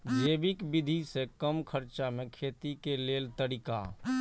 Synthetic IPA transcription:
d͡ʒeːbɪkbɪd̪ʱisekəmkʰəɾt͡ʃamẽkʰeːt̪ikeleːlt̪əɾɪka̰

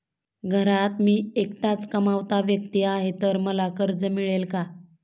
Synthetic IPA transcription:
ɡʱəɾat̪miːekt̪at͡skəmaʋt̪aʋjək̚t̪iaɦet̪əɾməlakəɾd͡zəmiɭelka

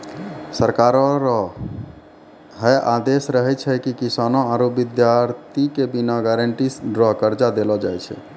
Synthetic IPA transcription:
səɾkaɾɔɾɔ | ɦəjʔad̪esɾəɦɛt͡ʃʰɛkikisanɔ̃aɾubid̪jaɾt̪ʰikebinaɡaɾəɳʈiɖɾɔɦkəɾd͡ʒad̪elɔd͡ʒajt͡ʃʰɛ̰

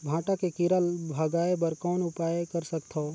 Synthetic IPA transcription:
bʱãːʈakekɪɾəlbʱɐɡaːebəɾkɔːnʊpaːjkɐɾsəkt̪ʰoː

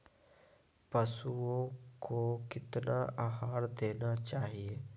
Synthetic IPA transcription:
pɐsuõkokɪt̪naʔaɦaːɾd̪eːnat͡ʃaːɦieː

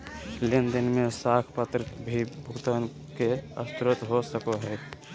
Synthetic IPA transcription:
lɪnd̪ənmẽsaːkʰpət̪ɾəbʱibʱʊɡt̪an | keəst̪ɾʊt̪ɦosəkoɦɛː

